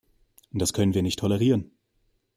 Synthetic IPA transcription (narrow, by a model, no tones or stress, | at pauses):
nd̥askʰœnənviːɐnɪçtʰːɔlɛʁ̞iːʁən